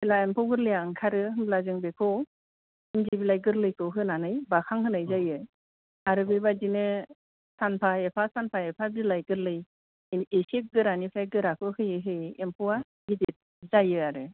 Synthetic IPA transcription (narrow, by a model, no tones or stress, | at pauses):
bilaempʰɔwɡɯɾlɯjaŋkʰaɾɯɦɯmblazɯŋbekʰow | ɯnɡibilajɡɯɾlɯjkʰɯɦɯnanɯjbakʰaŋɦɯnɯjzajɯ | aɾɯbɯjbadinɯ | sanpʰaepʰasanpʰaepʰabilajɡɯɾlɯj | esek̚ɡɯɾanipʰajɡɯɾakʰɯhɯjɯɦɯjempʰɔwa | ɡidit̚ | zajɯaɾɯ